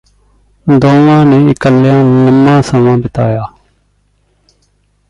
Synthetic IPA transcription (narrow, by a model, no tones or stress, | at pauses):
d̪õːʋãːneːɪkəlːjãːləmːãːsəmãːbɪt̪a̰ːjaː